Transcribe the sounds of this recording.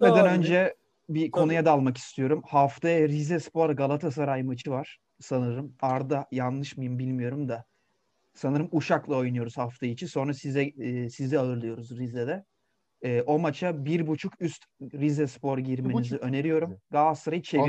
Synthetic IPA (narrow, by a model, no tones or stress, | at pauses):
ved̪ænø̞nd͡ʒɛ | bikʰo̞nujad̪alˠmaki̥st̪ʰijo̞ɾumhaft̪ʰajaɾizɛspo̞ɾɡalˠat̪ʰas̬aɾajɯmɯt͡ʃʰɯvaɾ̥ | sanɯɾɯmaɾd̪ajanlˠɯʃmajɯmbilʲmijo̞ɾumd̪a | sanɯɾɯmuʃaklˠɯo̞jnujo̞ɾuz̥haft̪ʰajit͡ʃʰinso̞nɾasizɛːsizd̪ɛaɯɾlˠɯjo̞ɾuzɾizɛd̪ɛː | ʔo̞mat͡ʃʰabiɾbut͡ʃʰukyst̪ɾizɛspo̞ɾɟiɾme̞niziʔø̞ne̞ɾijo̞ɾumɡasaɾajt͡ʃʰe